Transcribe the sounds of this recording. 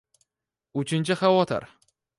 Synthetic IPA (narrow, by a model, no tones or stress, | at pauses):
ʊt͡ʃʰɪnt͡ʃʰɪχawɒt̪ʰɪ̰ɾ